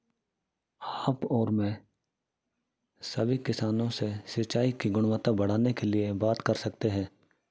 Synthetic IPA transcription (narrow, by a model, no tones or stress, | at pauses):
aːpɔːɾmɛ̃ | sɐbʱikɪsaːnõsesɪt͡ʃaːikiɡʊɽ̃ʋət̪abɐɽ̤aːnekeliebaːt̪kɐɾsɐkt̪eɦɛ̃ː